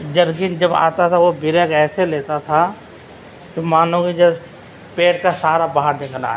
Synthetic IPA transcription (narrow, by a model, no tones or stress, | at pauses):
d͡ʒɐɾɡɪnd͡ʒɐba̰ːt̪at̪ʰaʋobɪɾẽkɛːseleːt̪at̪ʰa | komaːnõkid͡ʒɛ | peːʈkasaːɾabaɦəɾbẽkna̰ː